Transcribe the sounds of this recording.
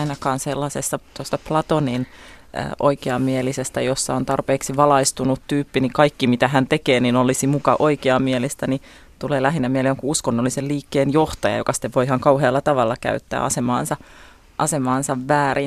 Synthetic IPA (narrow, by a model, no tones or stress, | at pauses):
inɑkɑːnselːɑsesːɑt̪ost̪ɑplɑt̪oninə̰ːʔo̰ikeɑmmielisest̪æjosːɑont̪ɑrpeːksiʋɑlɑist̪unut̪tyːpːinikɑikːimit̪æɦænt̪ekeːninolisimukɑʔoikeɑmielist̪æni | t̪uleːlæɦinːæmieleoŋkuuskonːoliselliːkːeːnjoht̪ɑjɑ̰jokɑsi̥t̪ːeʋʋoihɑŋkɑuɦeːlːɑt̪ɑʋɑlːɑkæ̰yt̪ːæ̰ːɑ̰semɑ̰ːnsɑ | ʔɑsemɑːnsɑʋʋæːɾi